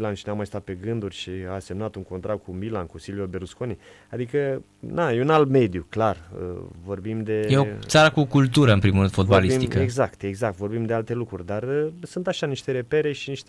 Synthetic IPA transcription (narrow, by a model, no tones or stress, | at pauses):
lanʃinamːajst̪at̪̚pe̞ɡɨnd̪urʲʃiase̞mnat̪uŋko̞nt̪ɾakkumilankusiliobe̞ɾuskoni | ad̪ikə | najeunalt̪me̞d̪ijuklarə̰vo̞rbimd̪e̞jeotsaɾəkukult̪uɾəɨnpɾimuɾɨnd̪fod̪baliismt̪ikəeɡzakt̪e̞ɡzak̚t̪vo̞rbimd̪e̞alt̪e̞lukɾurʲd̪arəsunt̪aʃaniʃt̪e̞ɾe̞pe̞ɾe̞ʃiniʃt̪e